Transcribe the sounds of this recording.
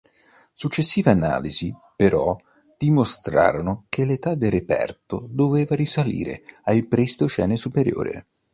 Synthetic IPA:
sut͡ʃːesːiːveana̰ːlizipeɾʔɔ | d̪̥imost̪ɾa̰ːɾonokʰelet̪ad̪elrepɛ̰rt̪od̪oveːvaɾisalḭːɾḛajpɾist̪ot͡ʃɛːnesupeɾjo̰ːɾḛ

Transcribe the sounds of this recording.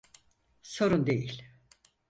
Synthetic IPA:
so̞ɾund̪e̞jilʲ

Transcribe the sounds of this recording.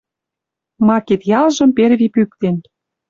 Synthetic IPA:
mɑket̪jɑlʒɤ̆mpeɾβipyk̚t̪en

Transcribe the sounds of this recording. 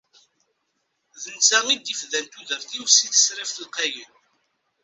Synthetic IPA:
ðənt͡sːæʁid̪ifðænt̪uðəɾθiwsiθə̥sɾifθəlqæjən

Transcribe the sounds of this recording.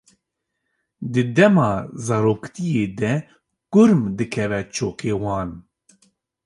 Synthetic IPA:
d̪ɨd̪ɛmɑːzɑɾoːkt̪ijeːd̪ɛ | kʊɾmd̪ɨkʰɛvɛt͡ʃʰoːkʰeːwɑːn

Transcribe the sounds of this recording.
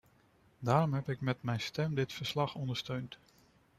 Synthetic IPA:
daːɾɔmɦɛpɪkmɛtmɛjnstɛmdɪtfəɹslɑχɔndəɹstøɥnt

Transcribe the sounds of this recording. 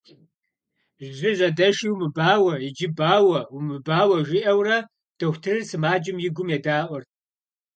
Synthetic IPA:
ʒʒʷɪʑʷɐdɐʃiːwmɨbaːwɐjɪd͡ʒɪbaːwɐwʊmɨbaːwɐʒʷɪʔɐwrɐ | d̥ɐxʷtʰɨrɨrsɨmaːd͡ʒɪmjɪɡʷʊmjɛdaːʔʷɔrt̚ʰ

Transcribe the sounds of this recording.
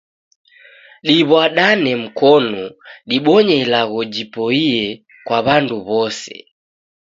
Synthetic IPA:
ɗiβwaɗanɛm̩kɔnɔɗiɓɔɲɛilaɣɔd͡ʒipɔiɛ | kwaβanduβɔsɛ̰

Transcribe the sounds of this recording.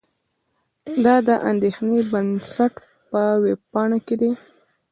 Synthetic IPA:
d̪ɑd̪əʔand̪exnebənsaʈ | pəweb̚pɑɳaked̪i

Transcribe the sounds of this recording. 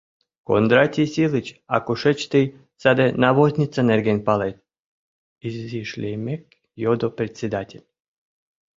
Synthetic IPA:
ko̰nd̪ɾat̪ʲisʲilˠit͡ɕa̰koʃɛt͡ɕt̪ɨj | sad̪ɛnaʋozʲnʲit̪sanɛrɡenʲpalˠet̪ | iziʃlʲemek̚ | jod̪opɾet̪sʲed̪atʲelʲ

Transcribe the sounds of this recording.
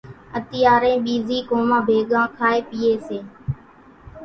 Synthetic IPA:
ət̪ɪjaːɾẽːɓiːziːkoːmãːbʱeːɠãːkʰaːeːpiːeːseː

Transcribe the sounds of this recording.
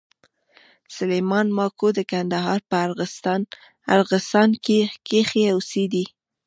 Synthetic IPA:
sʊlejmɑnmɑkod̪əkand̪aɦɑɾpəaɾɣɪst̪ɑn | a̰ɾɣɪsɑnkekexeawsid̪i

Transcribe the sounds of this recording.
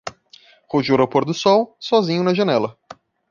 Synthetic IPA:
hoʒuɾɐwpoɾd̪ʊsɔwsɔzĩɲʊnɐʒɐnɛlɐ

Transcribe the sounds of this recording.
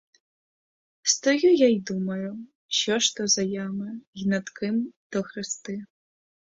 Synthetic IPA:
st̪ɔjujaid̪umɐju | ɕʲɔʂt̪ɔzɐjamɨinat̪kɨmd̪̥ɔxɾɨst̪ɨ

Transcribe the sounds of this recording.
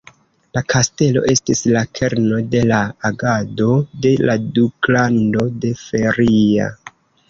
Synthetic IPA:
lakʰaste̞lo̞̰ʔe̞stislakʰe̞ɾno̞de̞laːɡado̞de̞laduklando̞de̞fe̞ɾia̰

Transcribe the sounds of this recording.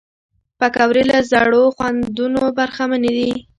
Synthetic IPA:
pakawɾelazaɽoxwand̪unobaɾxaməned̪i

